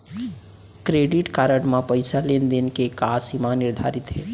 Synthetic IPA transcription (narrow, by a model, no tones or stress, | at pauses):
kɾeɖiʈkaɾəɽmãpəjsalend̪enkekasimaniɾd̪ʱa̰ɾit̪ɦe